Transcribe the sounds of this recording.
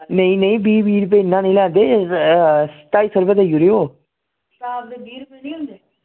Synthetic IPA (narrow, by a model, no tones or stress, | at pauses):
nəĩːnəĩːbiːbiːɾpeɪnːãːnə̃ĩːlɛːnd̪eː | st̪aːiːsəɾbəd̪əjuɾeːoː | biɾ